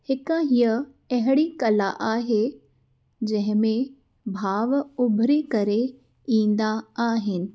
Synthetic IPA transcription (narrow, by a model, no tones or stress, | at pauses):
hɪkəɦijə | ɐɦɪɽikɐlaʔaːɦe | d͡ʑɐ̃ɦɪ̃mẽ | bʱaːʋʊbʱɾikɐɾe | ĩːnd̪aaːɦɪnɪ̆